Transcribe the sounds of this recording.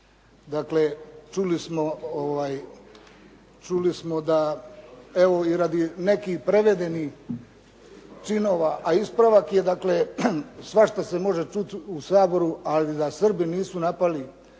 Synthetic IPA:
d̪akle̞t͡ʃulismooʋaːj | t͡ʃulismo̞d̪a | eʋo̞iɾad̪inekihpɾeʋe̞d̪e̞nih | t͡ʃinoːʋaʔaispɾaʋakje̞d̪aklesʋaʃt̪ase̞mo̞ʒe̞t͡ʃut̪usaːbo̞ɾualid̪asr̩biniːsunapali

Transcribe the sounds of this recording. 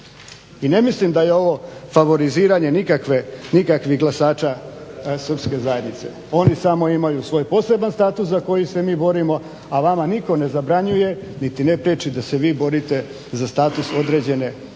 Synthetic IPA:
ine̞mislimd̪aje̞o̞ʋo̞faʋo̞ɾiziːɾaɲe̞nikakʋenikakʋiɣɡlˠasaːt͡ʃasr̩pske̞zaje̞d̪nit̪se̞̰ | o̞nisamo̞imajusʋo̞ːjpo̞se̞banst̪aːt̪uszako̞jise̞miːbo̞ɾimo̞ | aʋamaniko̞ne̞zabɾaɲuje̞nit̪inepɾet͡ʃid̪ase̞ʋiːbo̞ɾit̪e̞ | zast̪aːt̪uso̞d̪ɾe̞d͡ʑe̞ne̞

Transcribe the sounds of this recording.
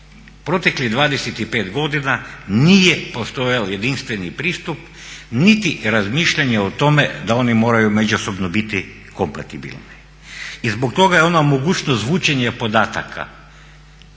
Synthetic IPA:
pɾo̞t̪eklid̪ʋaːd̪eset̪ipe̞ːt̪ɡo̞d̪inanijepo̞st̪o̞jalje̞d̪inst̪ʋe̞nipɾiːst̪up | nit̪iɾazmiːʃʎaɲeot̪o̞med̪ao̞nimo̞ːɾajume̞d͡ʒuso̞bnobit̪i | kompat̪ibḭlni | izbok̚t̪o̞ɡajeo̞namoɡuːt͡ʃnozʋuːt͡ʃeɲepo̞d̪aːt̪a̰kʰa̰

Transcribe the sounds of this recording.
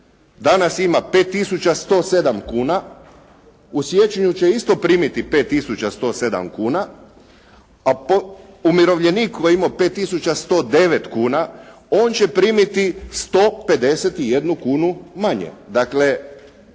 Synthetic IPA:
d̪anasimape̞ːt̪ːisut͡ɕast̪o̞ːse̞d̪amkuːna | usʋjet͡ʃeɲut͡ɕeist̪o̞pɾiːmit̪ipe̞ːt̪ːisut͡ɕast̪o̞ːse̞d̪a̰mkuːna | apo | umiɾo̞ʋʎeniːkkːojeimope̞ːt̪ːisut͡ɕast̪o̞ːd̪e̞ʋet̪kuːna | oːnt͡ɕe̞pɾiːmit̪ist̪oːpe̞d̪e̞set̪ije̞d̪nukuːnumaɲḛd̪akle̞

